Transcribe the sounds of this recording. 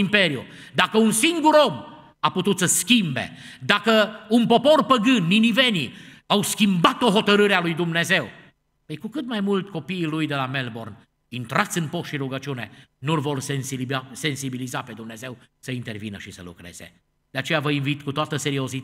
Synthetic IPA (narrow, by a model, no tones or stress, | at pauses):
impe̞ɾju | d̪akəunsiŋɡuɾo̞m | aput̪ut̪səskʲimbe̞̰d̪akəunpo̞po̞rpəɡɨnːinive̞ni | awskʲimbat̪o̞ɦo̞t̪əɾɨɾealujd̪umne̞ze̞w | pəjkukɨt̪majmult̪ʲko̞piːlujd̪e̞lame̞lbo̞rn | int̪ɾat̪sɨnpo̞st̪ʃiɾuɡət͡ʃiune̞nulvo̞rsensibase̞nsibilizape̞d̪umne̞ze̞wsəint̪e̞rvinəʃisə̰lṵkɾe̞̰z̥ḛ | d̪̥eat͡ʃe̞javəinvit̪kut̪oat̪əse̞ɾiozit̪